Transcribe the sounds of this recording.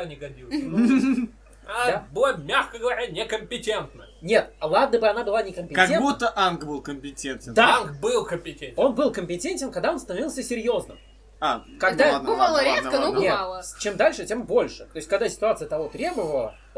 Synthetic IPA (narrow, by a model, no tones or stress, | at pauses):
anʲɪɡɐdʲilˠ | abɨmʲaxkəɡəvɐɾʲanʲɪkəmʲpʲɪtʲe̞nt̪nə | nʲe̞t̪̚lˠad̪nəbɨɐnabɨlˠanʲɪkəmʲpʲɪkɐɡ̪ʲenbut̪ːəʔanɡbɨlˠkəmʲpʲɪtʲenʲtʲɪd̪nkbɨlˠkəmʲpʲɪtʲenʲo̞nbɨlˠkəmʲpʲɪtʲenʲtʲɪnkɐɡ̚d̪ao̞nst̪ənɐvʲilˠsʲəsʲɪɾʲjo̞znɨ̰m | a | kɐɡdd̪abɨvalˠəɾʲet̪kənobnʲetalˠət͡ɕemd̪alʲʂɨtʲe̞mbo̞lʲʂɨt̪ojɪsʲtʲkɐɡd̪asʲɪ̥t̪ʊat̪sɨjət̪ɐvo̞t̪ɾʲe̞bəvəlˠə